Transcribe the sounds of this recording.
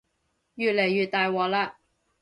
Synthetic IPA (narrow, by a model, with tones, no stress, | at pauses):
jyː˨t̪̚le˨˩jːyː˨t̪̚t̪ːaː˨jwɔː˨laː˧